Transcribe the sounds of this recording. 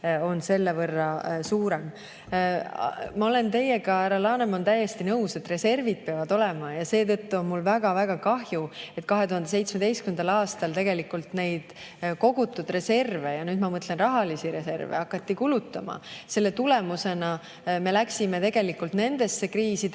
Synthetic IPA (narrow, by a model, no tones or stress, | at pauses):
o̞nse̞lːevɤrːɑsuːɾem | mɑo̞le̞nt̪e̞je̞kɑæɾɑlɑːnemont̪æjːest̪inɤuse̞t̪re̞se̞rvid̪̥̚peɑvɑd̪o̞le̞mɑjɑse̞ːt̪ɤt̪ːuo̞nmulvæɡ̥ɑvæɡ̥ɑkɑɦjue̞t̪kɑɦe̞t̪uhɑnd̪e̞se̞jt̪smed̪e̞jskyend̪ɑlɑːst̪ɑlt̪e̞ɡ̥e̞likːult̪ne̞jd̪̥ko̞ɡ̥ut̪ːud̪̥re̞se̞rve̞jɑnyːd̪mɑmɤt̪ːˑle̞nrɑɦɑlisiɾe̞se̞rvḛɑkːˑɑt̪ːikulut̪ːˑɑmɑ̰se̞lːet̪ule̞muse̞nɑ | me̞læksime̞t̪e̞ɡ̥e̞likːult̪ne̞nd̪̥e̞sːe̞kriːsid̪